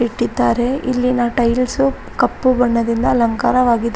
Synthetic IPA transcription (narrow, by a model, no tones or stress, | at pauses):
iʈːid̪ːaːɾe̞ilːinɐʈɐjlsu | kɐpːubɐɳːɐd̪ind̪ɐlɐŋkaːɾɐʋaːɡid̪